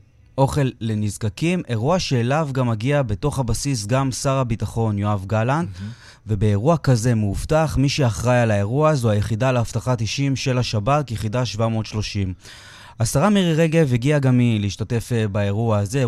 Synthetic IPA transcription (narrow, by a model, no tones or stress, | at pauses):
ʔo̞χe̞lːe̞nizkakime̞ʁuaʃeːlavɡamaɡiabe̞to̞χhabasis̬ɡamsaʁabitaχo̞njoavɡaland | ve̞be̞ːʁuakaze̞muftaχmiʃeaχʁajalae̞ʁuazoajeχidalehaftaχatiʃimʃe̞laʃabakjeχidaʃvamo̞ːt̪ʃlo̞ʃim | asaʁamiʁeʁeɡe̞veɡiaɡamileiʃtate̞fbae̞ʁuaːze